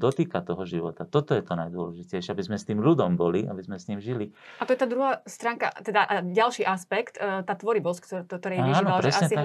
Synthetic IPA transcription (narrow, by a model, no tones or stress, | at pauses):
d̪ɔt̪iːkat̪ɔɦɔʒiʋɔt̪at̪ɔt̪ɔjɛt̪ɔnajd̪ʊɔlɛʒicɛjʃɛabizmɛst̪iːmʎud̪ɔmbɔliʔa̰bizmɛsɲiːmʒiliʔat̪ɔjɛt̪aːd̪ɾuɦaːst̪ɾaːŋka̰t̪ɛd̪aʔaɟalʃiːʔaspɛkt̪ːt̪aːt̪ʋɔɾibɔskt̪t̪ɔɾɛːjiʒːiːnalaɾɛsʔaɲɛtia